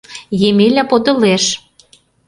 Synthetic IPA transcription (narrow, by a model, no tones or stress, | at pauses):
jemelʲæpod̪ɤ̆leʃ